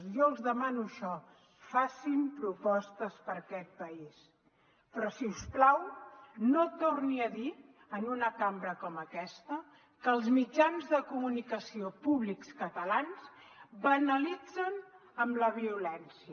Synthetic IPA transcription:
jɔzðəmanuəʃɔ | fasimpɾupɔst̪əspəɾkɛt̪̚pəis | pɾɔsiusplawnot̪orniəði | ənunəkambɾəkɔməkɛst̪ə | kəːlˠzmid͡ʒanzðəkumunikəsiopuβlikskət̪əlansbənəlid͡zən | əmləβ̞iulɛnsiə

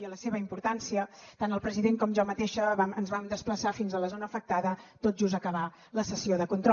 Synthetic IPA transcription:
ələseβ̞əimpuɾt̪ansiət̪anəlˠpɾəziðeŋkɔmʒɔmət̪eʃəβamənzβamd̪əspləsafinzələzonəːfək̚t̪aðət̪ot̪̚ʒuzəkəβ̞a | ləsəsioðəkunt̪ɾ

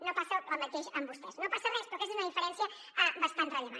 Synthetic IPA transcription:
nopasəəlˠmət̪eʃəmbust̪ɛsnopasərɛspoɾkezunɐðifəɾɛnsjɐ | abɐst̪ant̪rəliβa̰

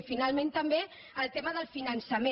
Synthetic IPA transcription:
finalˠmẽnt̪əmbe | əlˠt̪eməðəlˠfinənsəme

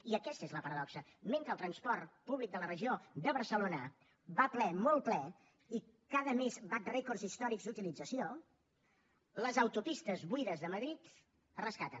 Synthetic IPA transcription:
iəkɛst̪ezləpəɾəðɔksəmeŋkəlˠt̪ɾənspɔrt̪puβlik̚d̪ələrəʒiod̪əβəɾsəlonə | βaplɛmol̚ˠplɛ | i | kaðəmezβat̪rɛkorzist̪ɔɾikzd̪ut̪ilid͡zəsio | ləzəwt̪upist̪əzβuiðəzðəməðɾit̪ | rəskat̪ən

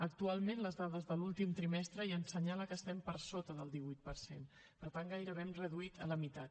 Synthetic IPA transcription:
ək̚t̪ualˠmenləzðaðəzðəlulˠt̪imt̪ɾimɛst̪ɾəiənsəɲaləkəst̪ɛmpəɾsot̪əðəlˠd̪iβujt̪̚pəɾsen | pəɾt̪aŋɡajɾəβemrəðuit̪ələmit̪at̪

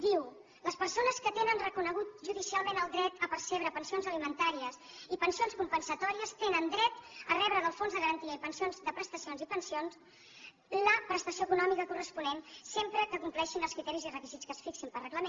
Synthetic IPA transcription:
d̪iw | ləspəɾsonəskət̪enənrəkunəɣ̞ut̪ʒuðisialˠmẽnəlˠd̪ɾɛt̪əpəɾseβ̞ɾəpənsionzəlimənt̪aɾiəs | ipənsionskumpənsət̪ɔɾiəst̪enənd̪ɾɛt̪ərɛβɾəðəlˠfonzðəɣəɾənt̪iəipənsionzd̪əpɾəst̪əsionzipənsions | ləpɾəst̪əsiokunɔmikəkurəspunensempɾəkəkumplɛʃinəlˠskɾit̪ɛɾizirəkizitt͡sskəsfiksimpəlrəɣləmen

